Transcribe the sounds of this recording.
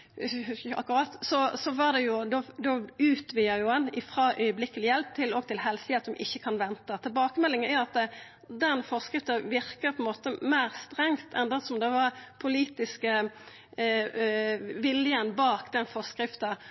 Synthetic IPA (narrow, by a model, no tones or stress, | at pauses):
ɑ̰kːɾɑːt̪sɔsɔʋɑʁd̪ɛjʊd̪ɔd̪oʉːt̪ʋiːəɾjʊɛnɪfɾɑʔœʏəblɪkːəlɪjɛlp̚t̪ʰɪlɔɡt̪ɪlɦɛlsɪheːt̪ɔmʔɪ̰çːəkʰɑnʋɛnt̪ət̪ʰɪlbɑːkəmɛlːɪŋənæɑt̪ | d̪ɛnfɔʁskʁɪft̪əʋɪɾkəpʰɔɛnmoːt̪əmæɪɾst̪ɾɛŋt̪ʰɛnd̪ɛsɔmd̪ɛʋɑɾpʰʊliːt̪ɪskə | ʋɪljənbɑːkd̪ɛnfɔʁskɾɪft̪ə